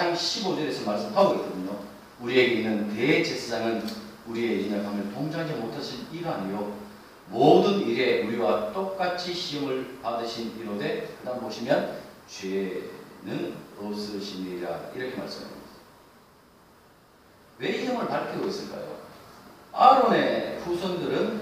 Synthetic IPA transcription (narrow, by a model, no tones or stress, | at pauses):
aŋɕʰibod͡ʑeɾesʰʌmaɭs͈ɯmhaɡoɡetʰɯdɯɲo | uɾie̞ɡeinːɯnte̞t͡ɕesʰasaŋɯnuɾie̞inakʰamjʌntoŋd͡ʑad͡ʑimotʰaɕʰiniɡaɲijo | modɯniɾe̞uɾiwat͈ok͈at͡ɕʰiɕʰiʌŋɯɭpadɯɕʰiniɾode̞kɯdanboɕʰimjʌnt͡ɕwenɯnos͈ɯɕʰiniɾa̰iɾʌkʰe̞maɭs͈ɯma̰i | we̞ɕiʌmɯɭpaɭkʰiɡois͈ɯɭk͈a̰jo̰ | aɾoneɸusʰʌndɯɾɯn